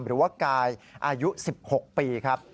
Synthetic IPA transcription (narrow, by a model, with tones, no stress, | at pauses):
mɾɯː˩˦waː˥˩kaː˧jʔaː˧ju˦˥si˨˩p̚ho˨˩k̚piː˧kʰa˦˥p̚